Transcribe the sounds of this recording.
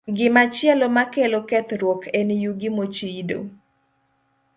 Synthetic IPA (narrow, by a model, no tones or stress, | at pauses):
ɡɪmat͡ʃjɛlomakelokɛt̪ɾwɔkʰenijuɡimot͡ʃido̰